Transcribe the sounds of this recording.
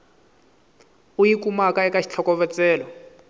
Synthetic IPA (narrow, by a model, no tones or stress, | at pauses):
ujikumakaɛkaʃʰi̥t͡ɬʰɔkɔvɛt͡sɛːlɔ